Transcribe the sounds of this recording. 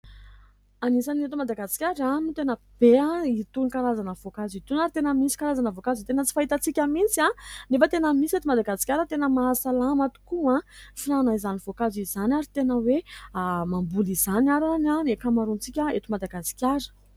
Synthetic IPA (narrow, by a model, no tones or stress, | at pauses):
anisanet̪umad̪aɡasi̥kʲaɾanut̪enə | b̥eãit̪unikaɾazanəvokazit̪unaɾit̪enəmisi̥kaɾazanəvokazit̪enət͡si̥faɦit̪ət͡sikʲəmit͡sianefət̪enəmiset̪umad̪aɡasi̥kʲaɾət̪enəmaːsalamat̪u̥kuãfinanaizanivokazizanaɾit̪enəwemambulizanaɾananekamaɾunt͡sikʲəet̪umad̪aɡasi̥kʲaɾə̥